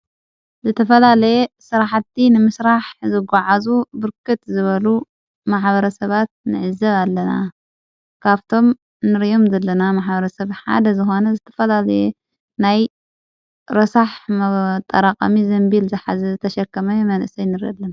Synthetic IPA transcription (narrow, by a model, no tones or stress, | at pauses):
zɨt̪ʰɐfɐlalɐjesɨɾaħt̪ʰːinɨmɨsɾaħzɨɡaʕazubɨɾkʰɨt̪zɨβɐlu | maħbɐɾɐsɐβat̪̚nɨʕɨzɐβalːɐna̰ | kʰaβt̪ʰo̞m | nɨɾjo̞mzɐlːɐnamaħbɐɾɐsɐβħa̰d̪ɐzɨxo̞nɐzɨt̪ʰɐ̥fɐlalɐje | naj | ɾɐsaħmɐt̪ʼːɐ̰ɾaqʼɐ̰mizɐmbilzɨħazɐɨt̪ʰɐʃɐkːɐmɐmɐnʔɨsɐjnɨɾɐ̰lːɐm